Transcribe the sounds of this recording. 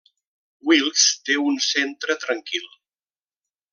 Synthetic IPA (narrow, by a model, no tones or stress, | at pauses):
wilˠst̪eunsent̪ɾət̪ɾəŋkilˠ